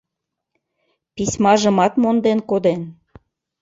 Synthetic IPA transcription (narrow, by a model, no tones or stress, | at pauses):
pisʲmɑʒə̆mɑt̪mond̪enkod̪en